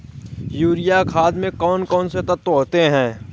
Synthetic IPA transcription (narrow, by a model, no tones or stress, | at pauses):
juːɾɪjakʰaːd̪mẽkɔːnkɔːnset̪ət̪oːt̪eɦɛ̃ː